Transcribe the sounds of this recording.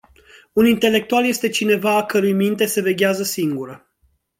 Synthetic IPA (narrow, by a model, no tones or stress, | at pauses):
unint̪e̞le̞k̚t̪ualje̞st̪e̞t͡ʃine̞vaːkəɾujmint̪e̞seve̞ɡʲeazəsiŋɡuɾə